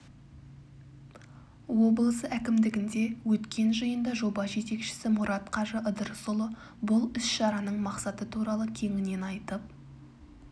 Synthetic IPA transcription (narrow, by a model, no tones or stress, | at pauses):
wo̞blˠəsəækʲɪmd̪ɪɡʲɪnd̪e̞wɵt̪kʲe̞nʒɑjənd̪ɑʒo̞bɑʒe̞t̪e̞kʃɪ̥sɪmʊɾʔɑt̪qʰɑʒəʔəd̪əɾsʊlˠə | bʊlˠʏsʃɑɾɑnəɴmɑqsɑt̪ət̪ʰuɾɑlˠəkʲʰe̞ŋɪne̞nɑjt̪əp̚